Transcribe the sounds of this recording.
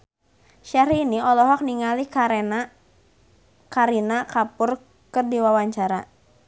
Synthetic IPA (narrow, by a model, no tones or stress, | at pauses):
ʃaɾiːniɔlɔɦɔk̚niŋalin | kaɾinakapʊr | kərdiwawaɲt͡ʃaɾa